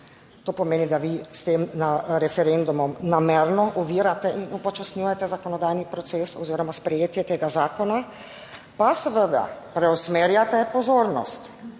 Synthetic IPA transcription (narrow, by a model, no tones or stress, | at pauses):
t̪oːpɔmeːnid̪aʋist̪eːmnaɾɛfɛɾend̪umɔmnameɾnɔʔɔʋiːɾat̪ɛʔinupɔt͡ʃasnʲujat̪ɛzakɔnɔd̪aːjnipɾɔt̪sesɔ̰ziːɾɔmaspɾɛjeːt̪jɛt̪eːɡazaːkɔna | pasɛʋəd̪a̰pɾɛɔsmeːɾjat̪ɛpɔzoːɾnɔ̰st̪